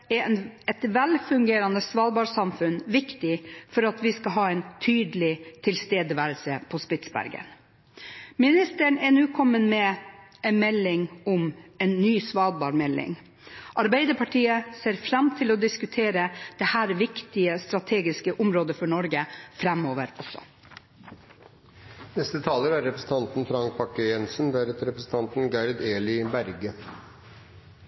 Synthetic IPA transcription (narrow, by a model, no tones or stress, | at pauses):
ɛnɛt̪ʋɛlfʉŋɡeːɾɑnəsʋɑːd̪bɑːɾsɑmfʉnʋɪkt̪ɪfɔɾɑt̪ʰʋɪskɑɦɑːɛɪnt̪ʰyːd̪əlɪt̪ʰɪlst̪eːd̪əʋæːɾəlsəpʰɔspɪt̪sbæ̰ɾɡə̰n | mɪnɪst̪əɳɛnʉːkʰɔmːənmɛɛnmɛlːɪŋʊmɛnːyːsʋɑːd̪bɑːɾmɛlːɪ̰ŋ | ʔɑɾbæɪd̪əpʰɑʈʰiːəseːɾfɾɑmt̪ʰɪlɔd̪ɪskʉt̪ʰeːɾəd̪̥ɛhæːɾʋɪkt̪ɪəst̪ɾɑt̪ʰeːɡɪskəʔʊmɾoːd̪əfɔɳɔɾɡəfɾæmoːʋəɾɔsɔ̰ | nɛst̪ət̪ʰɑːləɾæɾːɛpɾəsn̩t̪ɑnt̪n̩fɾɑŋk̚pʰɑkːəjɛnsənʋæɾət̪ɾɛpɾəsn̩t̪ʰɑnt̪n̩ɡɑɪɾd̪eːlɪbæɾɡə